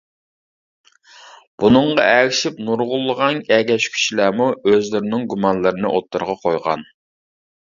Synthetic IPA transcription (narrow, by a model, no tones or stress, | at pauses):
b̥unɨɴʁɑɛɾɪʃipnuɾʁʊlˠːəʁɑnʲɛɡʲɛʃkʲʰy̥ʃilæːmuøzlɪɾɪnɪŋɡumɑnlˠɨɾɨnɨ̰ʔot̪ːɨɾʁɑqʰojʁɑ̰n